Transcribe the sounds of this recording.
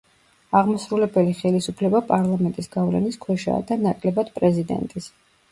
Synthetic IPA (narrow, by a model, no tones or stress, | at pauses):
aʁmasɾulɛbɛliχɛlisupʰlɛbapʼaɾlˠamɛnt̪ʼisɡavlɛ̰niskʰwɛʃa̰d̪anakʼlɛbad̪̥pʼɾɛzid̪ɛ̰nt̪ʼis